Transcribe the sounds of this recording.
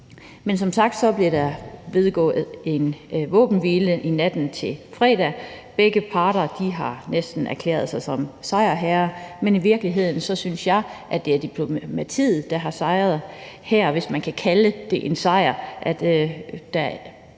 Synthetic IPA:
mensɒ̽msɑ̈ɡ̥d̥sɒ̽b̥liɐɾæʋe̝ð̞ˠɡ̥ɔ̰̽ːð̩ˠe̝nʋɔ̰ːb̥n̩ʋiːləʔinæd̥n̩t͡sʰe̝lfʁɛ̰ːd̥æb̥eɡ̥əpʰɑ̈ːɾ̥ɐd̥iɦɑ̈nesd̥n̩ʔæɐkʰlḛːɐð̞ˠsɑ̈ɪsɒ̽msɑ̈ɪɐɦæɐmeniʋiɐɡ̥liɦe̝ð̰ˠn̩sɒ̽synsjɑ̈ɪʔæ̥d̥e̝æɐd̥ipʰlo̝mæt͡sʰḭːð̩ˠd̥ɑɦɑ̈sɑ̈ɪʁɐð̩ˠ | hæɐ̰ʋe̝smænkʰækʰæləd̥e̝ʔe̝nsɑ̈ɪ̰ɐʔæd̥d̥æ

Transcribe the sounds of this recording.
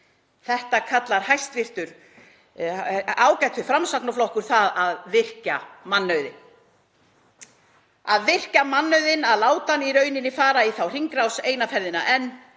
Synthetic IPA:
θɛht̪akʰat̪laɾ̥hajst̪vɪr̥t̪ʏɾ̥ | aːwcɛjt̪ʏfɾamsaknaflɔhkʏɾ̥θaðaðvɪr̥camanːœɥðɪ̰n | aðvɪr̥camanːœɥðɪnaðlaːwt̪aniɾœːɥnɪnɪfaːɾaiθawr̥iŋkɾawseːjnafɛɾðɪna̰ʔɛnː

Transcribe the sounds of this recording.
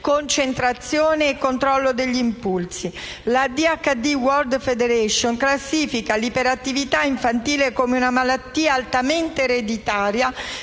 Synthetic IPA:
kont͡ʃent̪ɾat̪sːjoːneːkːont̪ɾɔlːod̪eʎːimpulsi | lad̪iakːad̪iwɔrd̪fed̪eɾɛʃːoŋklasːiːfikalipeɾat̪ːivit̪aiɱfant̪iːlekomeunamalat̪ːiːaːlt̪ament̪eːɾed̪it̪aːɾja

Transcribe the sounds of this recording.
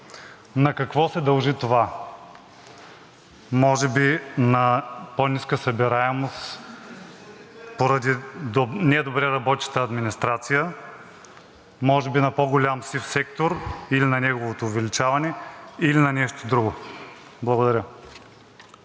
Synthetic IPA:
nɐkɐkvɔsɛd̪ɐlˠʒit̪ova | mɔʒɛbinɐponʲiskəsɐbɛɾaɛmos | poɾɐd̪id̪nɛd̪obɾɛɾɐbɔt̪ɐ̥t̪əɐd̪minist̪ɾat̪sijə | mɔʒɛbinɐpoɡolʲamsifsɛkt̪oɾilinɐnɛɡovot̪oːvɛlit͡ʃavɐnɛilinɐnɛʃt̪od̪ɾuɡoblˠɐɡod̪ɐɾʲə

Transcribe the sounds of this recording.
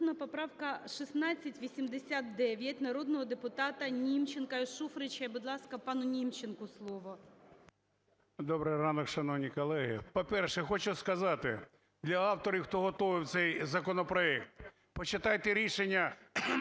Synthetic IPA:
nɐpɔpɾɑwkɐʃisnɑt͡sʲːɐtʲʋʲisʲimd̪esʲat̪̚d̪ɛʋʲjɐtʲnɐɾod̪nɔɦɔd̪epʊt̪ɑt̪ɐnʲimt͡ʃenkɐiʃufɾɪt͡ʃɐjbʊd̪lˠɑskɐpɑnʊnʲimt͡ʃenkʊslˠɔʋɔ | d̪ɔbɾɪjɾɑnɔkʃɐnɔwnʲijkɔlˠɛɦɪ̰pɔpɛrʃɛxɔt͡ʃʊskɐzɑt̪ɪ | d̪lʲɐɑwt̪ɔɾʲiwxt̪ɔɦɔt̪ɔʋɪwt̪sɛjzɐkɔnɔpɾɔɛk̚t̪ | pɔt͡ʃɪt̪ɑjt̪eɾʲiʃenʲːɐ

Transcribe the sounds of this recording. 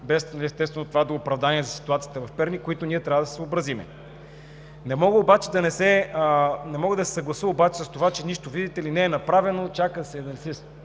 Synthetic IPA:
bɛsnliɛst̪ɛst̪vɛnot̪ovad̪oɡopɾɐvd̪aniɛzɐsi̥t̪uat̪sijət̪əvɐfpɛɾnikoit̪oniɛt̪ɾʲavəd̪ɐssobɾɐzimɛ̰ | nɛmɔɡəobat͡ʃɛd̪ɐnɛsɛ | nɛmɔɡəd̪ɐsɛ̥sɐɡlˠɐsəobat͡ʃɛ̥səst̪ovat͡ʃɛniʃt̪ovid̪it̪ɛlinɛɛnɐpɾavɛnot͡ʃakəd̪ɐsɛd̪ɐnsis

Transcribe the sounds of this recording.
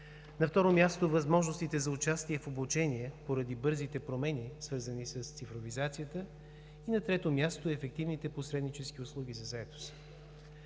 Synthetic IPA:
nɐft̪ɔɾomʲjast̪ovɐzmɔʒnost̪it̪ɛzɐʊt͡ʃast̪iɛfoblʊt͡ʃɛniɛpoɾɐd̪ibɤɾzit̪ɛpɾomɛnisvɤɾzənisəst̪sifɾovizat̪sijət̪ə | inɐt̪ɾɛt̪omʲjast̪oɛfɛk̚t̪ivnit̪ɛposɾɛd̪nit͡ʃɛskiʊslˠuɡ̟ʲizɐzɐɛt̪o̥s

